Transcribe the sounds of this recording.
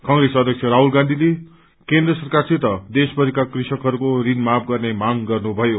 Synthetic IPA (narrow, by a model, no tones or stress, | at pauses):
kʌŋresʌd̪ʱjʌk̚t͡sʰeɾaɦulɡãnd̪ʱile | kẽnd̪rʌsʌrkarsit̪ʌd̪esbʌɾikakrisʌkɦʌɾukoɾinmap̚ʰɡʌrnemaŋɡʌrnubʱʌjo